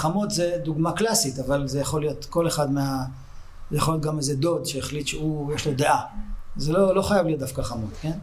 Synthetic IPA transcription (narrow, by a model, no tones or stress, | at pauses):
χamot̪zed̪uɡmaklasit̪avalzejaχo̞lijo̞t̪ko̞le̞χad̪mea | jaχoljot̪ɡamezed̪o̞d̪ʃeːχlit̪ʃeujeʃlo̞d̪eʔazelo̞lo̞χajavlijot̪̚d̪afkaχamo̞t̪ke̞n